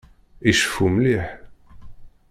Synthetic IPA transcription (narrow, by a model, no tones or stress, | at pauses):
iʃə̥fumliħ